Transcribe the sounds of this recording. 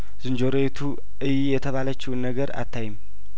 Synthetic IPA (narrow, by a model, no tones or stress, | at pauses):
z̥ɨnd͡ʒo̞ɾet̪ʰu | ʔɨjijɛt̪ʰəβalət͡ʃːɪwnːəɡəɾa̰t̪ʰːajɪm